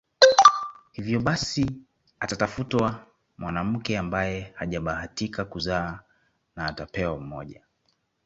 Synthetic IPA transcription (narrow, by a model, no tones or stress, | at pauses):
hivjɔɓasi | atatafutwa | mwʔanam̩kɛambajɛhaʄaɓahatikakuzaː | naːtapɛwam̩mɔ̰ʄa